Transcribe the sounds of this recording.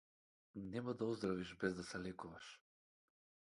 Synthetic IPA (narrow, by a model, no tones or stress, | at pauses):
nɛmad̪aɔzd̪ɾaviʒbɛzd̪asɛlɛkuvaʃ